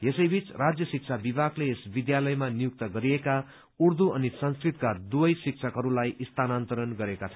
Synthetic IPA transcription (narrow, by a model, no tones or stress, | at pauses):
jesʌjbit͡srad͡zjʌsik̚t͡sʰabibʱakleːsbid̪jalʌjmanijuk̚t̪ʌɡʌɾieka | urd̪uʌnisʌnskrit̪kad̪ubʌjsik̚t͡sʰʌkɦʌɾulajʔist̪ʰanant̪ʌɾʌnɡʌɾekat͡sʰʌ